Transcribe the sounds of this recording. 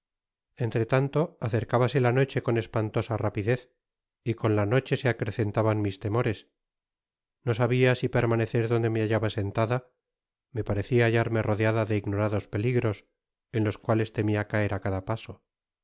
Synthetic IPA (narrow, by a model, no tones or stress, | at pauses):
e̞nt̪ɾe̞t̪ant̪o̞aθe̞ɾkaβase̞lano̞t͡ʃe̞ko̞ne̞spant̪o̞sarapiðe̞θ | iko̞nlano̞t͡ʃe̞se̞akɾe̞θe̞nt̪aβanmist̪e̞mo̞ɾe̞s | no̞saβiasipe̞ɾmane̞θe̞ɾðo̞nd̪e̞meaʝaβase̞nt̪aða | me̞paɾe̞θiaːʝaɾme̞ro̞ðeaðaðe̞iɣno̞ɾaðo̞spe̞liɣɾo̞s | e̞nlo̞skwale̞st̪e̞miakae̞ɾakaðapaso̞